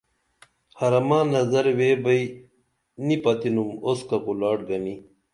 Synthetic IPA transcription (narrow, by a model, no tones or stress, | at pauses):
hɐɾɐmãːnɐzɐɾweːbɐi | nipɐt̪inumoskɐkulaːʈ̚ɡɐni